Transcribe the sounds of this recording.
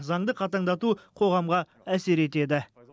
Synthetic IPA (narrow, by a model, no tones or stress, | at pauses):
zɑɴd̪əqʰɑt̪ɑɴd̪ɑt̪uqʰo̞ʁɑmʁɑ | æse̞ɾe̞t̪e̞d̪ɪ